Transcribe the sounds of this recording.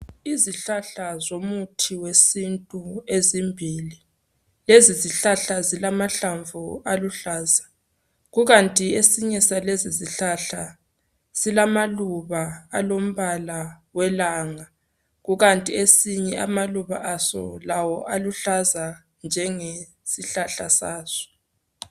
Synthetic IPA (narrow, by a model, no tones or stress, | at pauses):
iziɬaɬazomutʰiwesintʼuezimbʱiːli | leziziɬaɬazilamaɬaɱvualuɬaːzḁ | ɣuɣantʼiesiɲɛsaleziziɬaɬa | z̥ilamaluβaa̰lom̩βalawɛlaːŋa | ɣuɣantʼiesiɲɛʔamaluβa̰ʔasɔ̰lawɔʔaluɬaza | nd͡ʒʱɛŋe | siɬaɬasaːz̥ɔ̥